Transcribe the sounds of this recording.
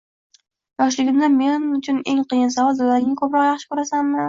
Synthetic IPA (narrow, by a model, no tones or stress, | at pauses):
jɒʃlɪɡʲɪmd̪anme̞nnʊt͡ʃʰʊne̞ŋqʰɨjɪnsavɒld̪olaɾɪmakʰɵpɾɒqjaχʃɪ̥kɵɾasammɪ